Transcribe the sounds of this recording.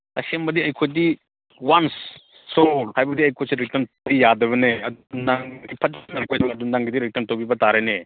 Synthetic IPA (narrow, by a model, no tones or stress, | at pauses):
ɐsembɐdiɐjkʰojdi | wansː | olhajbɐdiɐjkʰojseɾitɐmtbijadɐβɐneɐdnaŋdipʰɐt̚naɾkʰojsiŋɐdunaŋɡidiɾik̚tɐmtobibɐtaɾene